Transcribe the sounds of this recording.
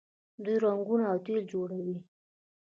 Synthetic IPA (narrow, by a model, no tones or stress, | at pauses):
d̪ujɾaŋɡunaawt̪eld͡ʒoɽawi